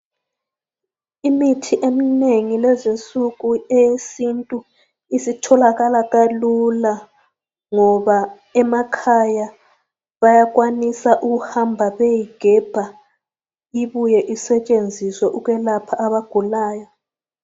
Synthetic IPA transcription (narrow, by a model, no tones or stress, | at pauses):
imitʰiʔemineŋilɛzesuɣuɛjesintʼu | isitʰɔlaɣalaɣalula | ŋɔβa | ɛmakʰaja | βajaɣwanisaʔuɣuhambʱaβejiɡ̥ʱɛb̥ʱa | iβujɛʔisɛt͡ʃʼend͡zʱiswɛʔuɣwɛlapʰaːβaɡ̥ʱulaːjɔ